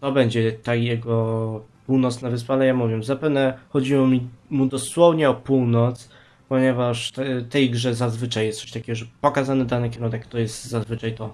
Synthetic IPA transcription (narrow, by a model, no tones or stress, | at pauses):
t̪ɔbɛɲd͡ʑɛt̪ajɛɡɔpuwnɔt̪snavɘspalɛjamuvʲjɛzapɛvnɛxɔd͡ʑiwɔmʲimud̪ɔswɔvɲɛɔpuwnɔt̪s | pɔɲɛvaʂt̪ɛt̪ɛjɡʐɛzazvɘt͡ʂajːɛst̪ɔ̥ɕt̪akʲɛɡɔʐɛpɔkazanɘd̪anɘkʲɛɾunɛkt̪ɔjɛst̪zazvɘt͡ʂajt̪ɔ